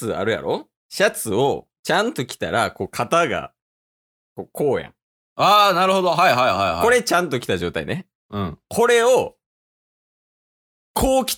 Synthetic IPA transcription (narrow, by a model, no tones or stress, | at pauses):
ɨa̰ɾɯ̟ja̰ɾo̞̰ | ɕat͡sɨo̞ | t͡ɕãnt̪o̞kʲi̥t̪aɾako̞ːkʰat̪aɡa̰ | ko̞kʰo̞ːjã̰ŋ | aːnaɾɯ̟ho̞d̪oɦaiɦaiɦaiha̰koɾe̞t͡ɕãnt̪o̞kʲi̥t̪aʑo̞ːt̪a̰ḭne̞ | ɯ̟̃ɴkʰo̞ɾe̞o | kʰo̞ːkʲi̥